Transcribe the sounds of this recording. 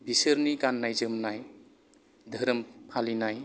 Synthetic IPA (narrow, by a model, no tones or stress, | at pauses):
bisəɾnikanːajzɯmnaj | d̪ʱəɾəmpʰalinaj